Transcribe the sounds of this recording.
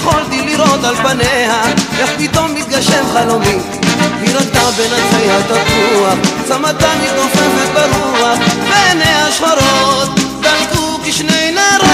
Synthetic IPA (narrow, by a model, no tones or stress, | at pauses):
χolt̪iliɾot̪alpanehaʔɛχpit̪omːit̪̚ɡaʃɛmχalomim | viɾat̪abenazihat̪afuaχsamat̪anmit̪nofɛmhabaɾuaχbenejaʃχaɾot̪̚dalkukiʃnejnaɾ